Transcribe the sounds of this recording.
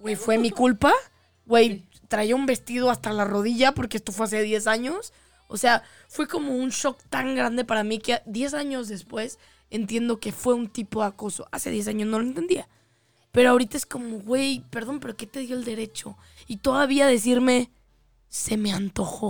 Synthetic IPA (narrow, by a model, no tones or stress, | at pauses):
wejfwe̞mikulpa | ɣwe̞j | t̪ɾajoumbe̞st̪ið̞o̞ast̪alaro̞ðiʝapo̞ɾkeest̪o̞fwe̞as̬e̞ðje̞saɲo̞s | o̰se̞a | fwe̞ko̞mo̞unʃo̞kt̪aŋɡɾand̪e̞paɾamiked̪je̞s̬aɲo̞zðe̞spwe̞s | e̞nt̪je̞nd̪o̞ke̞fwe̞unt̪ipo̞ðako̞so̞̰ʔase̞ðje̞s̬aɲozno̞loe̞nt̪end̪ia | pe̞ɾoaoɾit̪ae̞sko̞mo̞ɣwe̞jpe̞ɾðo̞npe̞ɾo̞ke̞t̪e̞ðjo̞eld̪e̞ɾe̞t͡ʃo̞̰ | it̪o̞ðaβiaðe̞s̬iɾme̞ | se̞me̞ant̪o̞xo̞